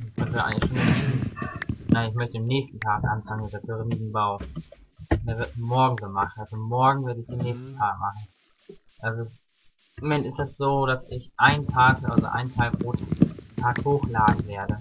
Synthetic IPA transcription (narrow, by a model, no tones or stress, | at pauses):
ɪçmœçtəʔa̰ɪŋlɪçʃoːnɪi | naɪnɪçmœçtəɪmnɛːçstn̩tʰaːkʔa̰nfaŋənmɪtd̥eɐpʰeʁɪniːzn̩baʊ | deːɐvɪɐtmɔɐɡŋ̩zoːmaχn̩alzomɔɐɡŋ̩veːɐɾəɪçd̥eːnɛːçstn̩tʰaːkmaχn̩ | ʔalzo | mɛnɪstɛsz̥oːd̥asɪçʔaɪntʰaːtʔa̰lzo̰ʔa̰ɪntʰaɪlbʁoːttʰaːkhoːxlaːdn̩veːɐdə